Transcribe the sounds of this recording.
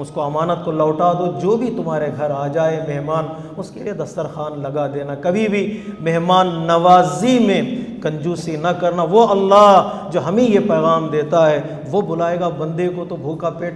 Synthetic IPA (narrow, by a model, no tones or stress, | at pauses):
ʊskoɐmaːnət̪kolɐːʈaːd̪od͡ʒoːbʱit̪ʊmɦaːɾeɡʱɐɾaːd͡ʒaːemɛɦmaːn | ʊskḛlḭed̪ɐst̪əɾxaːnlɐɡad̪eːnakɐbʱibʱimɛɦmaːnːɐʋaːzimẽkɐ̃ɲd͡ʒuːsinɐkɐɾnaʋoɐlːaɦ | d͡ʒoːɦɐmẽjepɛːɣaːmd̪eːt̪aɦɛ | ʋobʊlaːeːɡabɐ̃nd̪ekot̪obʱuːkapeːʈ